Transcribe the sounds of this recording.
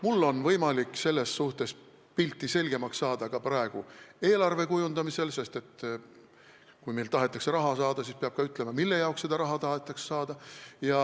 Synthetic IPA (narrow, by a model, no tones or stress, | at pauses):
mulːo̞nvɤ̞jmɑlikse̞lːe̞sːuht̪e̞s | pilʲt̪ːˑise̞lʲɡ̥e̞mɑksːɑːd̪̥ɑkɑprɑe̞ɡ̥ue̞ːlɑrve̞kujund̪̥ɑmise̞lse̞st̪e̞t̪ | kujmejlt̪ɑɦe̞t̪ːˑɑkseɾɑɦɑsɑːd̪̥ɑsispeɑb̥̚kɑyt̪ˑle̞mɑmilːejɑokse̞d̪̥ɑɾɑɦɑt̪ɑɦet̪ːˑɑkse̥sɑːd̪̥ɑjɑ